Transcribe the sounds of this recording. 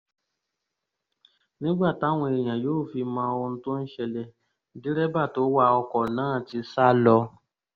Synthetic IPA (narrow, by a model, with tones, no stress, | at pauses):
nĩ˦ɡ͡ba˦˨ta˨˦w̃ɔ̃˧e˨j̃ã˨joː˦˨fi˧mã˧˦o˧õ˧n̩˦to˦n̩˦ʃɛ˧lɛ˧˦ | di˦ɾɛ˦ba˦˨to˨˦wa˧˨ɔ˧kɔ˨nãː˨˦˨ti˧sa˦˨lɔ˧